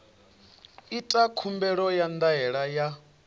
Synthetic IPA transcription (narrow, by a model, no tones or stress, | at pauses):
itʼakʰumbɛɺɔjand̪aɦɛɺaja